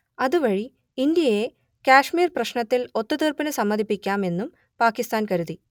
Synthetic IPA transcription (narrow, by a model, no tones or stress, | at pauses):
ɐðuʋɐɻi | ind̪jɐje | kaːʂmiːrprɐɕɳɐt̪ːilo̞t̪ːut̪iːrpɐnɨsɐmːɐd̪ʱipːikʲːaːme̞nːum | paːkist̪aːnkɐɾuði